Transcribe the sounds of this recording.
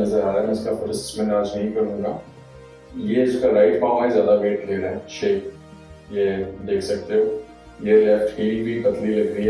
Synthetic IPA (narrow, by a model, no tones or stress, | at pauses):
ɐzəɾaːɾamɛ̃ʊskapʊɾɪsɪ̥smɛ̃aːd͡ʒnɐɦĩkɐɾũːɡaː | jeɪskaɾaːɪʈbaːmaːizjaːd̪abeːʈleːɾaɦɛʃeːk | jed̪eːkʰsɐk̚t̪eɦo | jelɛfʈhiːlbʱikɐt̪lilɐɡɾiɦɛ